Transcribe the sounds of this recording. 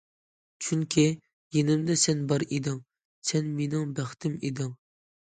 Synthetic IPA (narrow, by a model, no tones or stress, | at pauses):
t͡ʃʰyŋkʲʰi | jenɪmd̪ɛsɛnbɑɾid̪ɪŋ | sɛnmenɪŋbæχt̪ʰɪmed̪ɪŋ